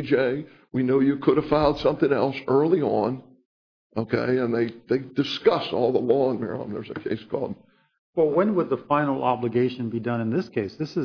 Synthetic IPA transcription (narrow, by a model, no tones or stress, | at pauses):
d͡ʒeɪ | winoʊjɨkʰʊɾəv̥fãʊ̃nd̥sʌ̃mθɪ̃ŋɛlˠsɜ˞lˠiə̃n | ʔoʊkʰḛɪɨ̃nðeɪðeɪdɨskʌsɔ̰lˠðəlɔə̃nmɪ̰ɹə̰̃n̩ðə̰˞zɨkʰḛɪskʰɔ̰lˠd̥̚ | wɛwɨ̃nwəd̪̚ðəfãɪ̃nl̩ˠɑbləɡeɪʃɨ̃nbidʌ̃nɨ̃nðɪskʰeɪsðɪsɨ